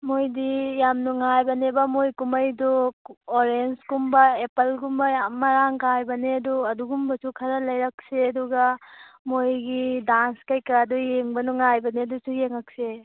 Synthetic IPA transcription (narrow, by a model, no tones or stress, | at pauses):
mojdijamnuŋajbɐnebɐmojkumɐjduoɾenskumbɐepɐlɡumbɐjamɐɾaŋkajbɐneɐduɐduɡumbɐsukʰɐɾɐlɐjɾɐk̚seɐduɡɐmojɡidanskɐjkɐɾadujeŋbɐnuŋajbɐneɐdusujeŋɐk̚se